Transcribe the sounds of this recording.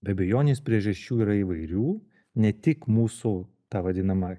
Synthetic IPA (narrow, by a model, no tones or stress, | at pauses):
bʲɛtbʲɛjoːnʲeːspʲɾʲiɛʒɐʃʲt͡ʃʲuːiːɾɐiʋɐɪɾʲuː | nʲɛt̪ʲɪkmuːsu | t̪ɑːʋɐd̪ʲɪnɐmɐ